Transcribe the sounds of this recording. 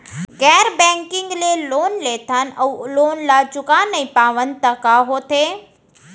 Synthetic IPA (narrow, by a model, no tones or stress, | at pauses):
ɡɛːɾbɛ̃ːŋkɪ̃ŋɡleloːnleːt̪ʰanɐːloːnlat͡ʃʊkanːɐĩpaːʋən̆t̪ɐkaɦoːt̪ʰeː